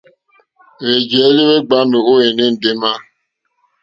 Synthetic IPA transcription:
ɾe˨d͡ʒe˨e˦le˦we˦ɡ͡ba˦nʊ˨o˦e˨nɪ˦n̩˨dɪ˦ma˦

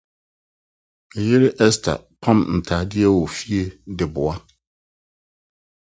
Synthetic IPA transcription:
ɛ˨je˦ɾe˦ʔɛ˦stʰa̰˨ | pʰã˦mn̩˨tʰaː˨dɪ˦ɛ˦wo˨fi˦e˦dɪ˨bʊ˨a˦

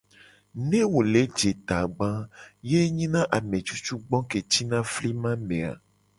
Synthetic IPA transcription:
nẽ˦wo˨le˨˦d͡ʒe˨t̪a˨ɡ͡bã˦je˦ɲĩ˦nã˦ʔa˨mẽ˨t͡ʃu˦t͡ʃu˦ɡ͡bɔ̃˦ke˨t͡ʃi˦nã˦fli˦mã˦mẽ˨a̰˨

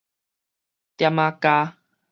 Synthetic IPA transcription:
t̪ja˧mã˧ka˧

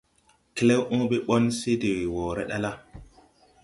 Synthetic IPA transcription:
ke˦le˦wʔõ˦ɓe˦ɓɔ˦nse˦de˨wi˨woː˨ɾḛ˦ɗa˦la˦

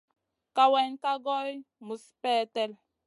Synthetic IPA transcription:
ka˨wɛ˨nka˦ɡɔ˦jmu˨spɛ˦˨tɛ˦l

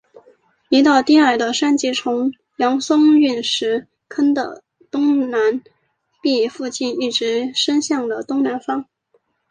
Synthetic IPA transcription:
i˧˥t̪ɑ˥˧ʊt̪i˥˧a˞˥˩d̪ə˦ʂa˥˧nt͡ɕi˥˩ʈ͡ʂʰʊ˧˥ŋ | jɑ˧˥ŋsʊ˥ŋy˥˩nʂɻ̩˧˥ | kʰə˥nd̪ə̰˨ | t̪ʊ˥ŋna˧˥n | pi˥˧fu˥˧t͡ɕi˥˧ni˥˩ʈ͡ʂɻ̩˧˥ʂə˥nɕjɑ˥˩ŋd̪ə˩t̪ʊ˥ŋna˧˥nfɑ˥ŋ

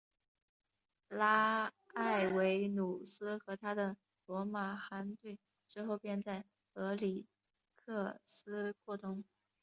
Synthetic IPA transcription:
la˥ | a˥˩ɪwe˧˥ɪnu˨˩sɹ̩˥xɤ˧˥t̪ʰa˥d̪ə˨ | lwɔ˧˥ma˨˩xa˧˥nt̪we˥˩ɪ | ʈ͡ʂɻ̩˥˧xo˥˧ʊpjɛ˥˧nt͡sa˥˩ɪ | ɤ˧˥li˨˩ | kʰɤ˥˩sɹ̩˥kʰwɔ˥˩t̪ʊ˥ŋ

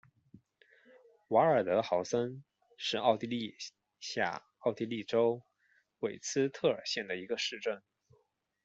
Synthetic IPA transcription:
wa˧˥ə˞˨˩t̪ɤ˧˥xɑ˧˥ʊsə˥n | ʂɻ̩˥˧ɑ˥˧ʊt̪i˥˧li˥˧ | ɕja̰˥˩ | ɑ˥˩ʊt̪i˥˧li˥˩ʈ͡ʂo˥ʊ | we˨˩ɪt͡sʰɹ̩˥t̪ʰɤ˥˩ə˞˨˩ɕjɛ˥˩nd̪ə˩i˧˥ɡə˧ʂɻ̩˥˧ʈ͡ʂə˥˩n

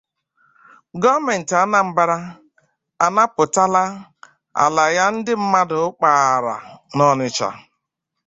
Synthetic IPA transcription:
ɡɔ˦me˨n̩˨ta˦na˨m̩˨ba˦ɾa˦ | a˨na˦pʊ˨ta˦la˦ | a̰˨la˨ja˦n̩˦dɪ˦m̩˦ma˦dʊ˨˦k͡pa˨a˨ɾa̰˨nɔ˦nɪ˨t͡ʃa̰˨

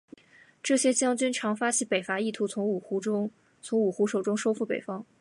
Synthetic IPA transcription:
ʈ͡ʂɤ˥˩ɕjɛ˥t͡ɕjɑ˥ŋt͡ɕy˥nʈ͡ʂʰɑ˧˥ŋfa˥t͡ɕʰi˧˥pe˨˩ɪfa˧˥i˥˩t̪ʰu˧˥ʊ˧˥ŋ˨˩˧ | t͡sʰʊ˧˥ŋu˨˩xu˧˥ʂo˨˩ʊʈ͡ʂʊ˥ŋʂo˥ʊfu˥˩pe˨˩ɪfɑ˥ŋ

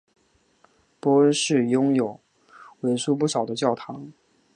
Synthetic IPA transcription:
pwɔ˧˥ə˥nʂɻ̩˥˩jʊ˥ŋjo˨˩˦ʊ | we˧˥ɪʂu˥pu˥˩ʂɑ˨˩ʊd̪ə˦t͡ɕjɑ˥˩ʊt̪ʰɑ˧˥ŋ

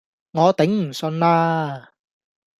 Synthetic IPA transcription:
ŋɔː˨˧t̪ɪ˨˥ŋm̩˨˩sɵ˧nlaː˧˥

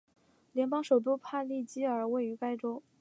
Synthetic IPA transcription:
ljɛ˧˥npɑ˥ŋʂo˨˩ʊt̪̬u˥pʰa˥˧li˥˩t͡ɕi˥ə˞˨˩we˥˩ɪy˧˥ka˥ɪʈ͡ʂo˥ʊ

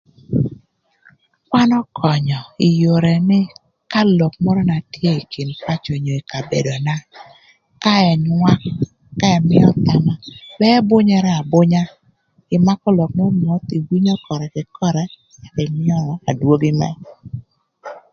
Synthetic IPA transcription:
kwa˦nɔ˦kʰɔ˨ɲɔ˨i˨jo˨ɾɛ˨nɪ˦ | ka˦lɔ˨k̚mɔ˦ɾɔ˦na˨tje˦i˨ki˨npa˦t͡ʃo˨ɲo˨i˨ka˨be˨do˨na˦ | ka˦ɛ˨nwa˦kː | a˦ɛ˨mɪ˦ɔ˦t̪a˦ma˨bɛ˦bʊ˦ɲɛ˦ɾɛ˦a˨bʊ˦ɲa˦ | ɪ˨ma˦kɔ˦lɔ˨k̚mɔ˦mɔ˨˦t̪i˨wi˦ɲɔ˦kɔ˨ɾɛ˨kɪ˨kʰɔ˦ɾɛ˨ | ɪ˨mɪ˦ɔ˦ɾɔ˨a˨dwo˦ɡɪ˦mɛ̰˦

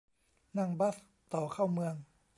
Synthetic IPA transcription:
na˥˩˨ŋba˦˥˩s | t̪ɔː˨˩kʰa˥˩wmɯ˧əŋ

